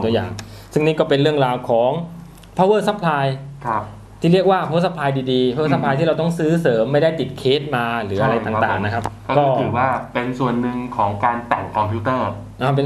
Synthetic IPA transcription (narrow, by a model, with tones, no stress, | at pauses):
u˧ja̰ː˨˩ŋ | sɯ˥˩ŋniː˥˩kɔː˥˩pe˧nɾɯ˥˩əŋɾaː˧wkʰɔː˩˦ŋ | pʰaː˦˥wɤː˥˩t̪̚sa˦˥pʰlaː˧jkʰ | t̪ʰiː˥˩ɾi˥˩ək̚waː˥˩kʰo˦˥t̚sa˦˥pʰlaː˧jdiː˧diː˧pʰa˧˥wə˥˩sa˦˥pʰaː˧jt̪ʰiː˥˩ɾa˧wt̪ɔ˥˩ŋsɯː˦˥sɤː˩˦mːa˥˩jda˥˩jt̪i˨˩t̪̚kʰeː˦˥t̪̚maː˧ɾɯː˩˦ʔa˧ɾa˧jt̪aː˨˩t̪aː˨˩ŋna˦˥kʰa˦˥p̚ɔ˥˩kɔː˧˩ɯː˨˩waː˥˩pe˧nsu˨˩ənːɯ˨˧ŋkʰɔː˩˦ŋkaː˧nt̪ɛ˨˩ŋkʰɔ˧mpʰi˦˥t̪ɤː˥˩ | ʔaː˧˩p̬e˧